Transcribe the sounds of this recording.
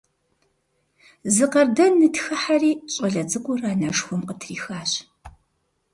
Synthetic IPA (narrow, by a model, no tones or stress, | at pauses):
zɨqɐrdɐnːɨtxɐħariːɕʼɐɮɐt͡sʼɨkʷʼʊraːnɐʂxʷɔmqətʰriːxaːɕ